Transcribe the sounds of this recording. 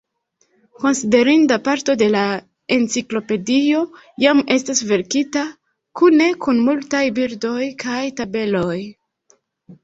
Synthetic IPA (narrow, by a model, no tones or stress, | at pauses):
ko̞nside̞ɾindapaɾto̞de̞la | e̞nt͡siklo̞pe̞dio̞ | jame̞stasve̞ɾkita | kune̞kunmultajbiɾdo̞jkʰajtabe̞lo̞j